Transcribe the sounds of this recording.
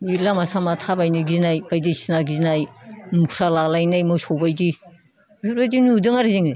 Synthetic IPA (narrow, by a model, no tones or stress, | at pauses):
ilamasamatʰabajnɯɡinajbajdisinaɡiznajmukʰɾalalajnajmɯsobajdi | uɾbajdinudɯŋaɾiziŋɯj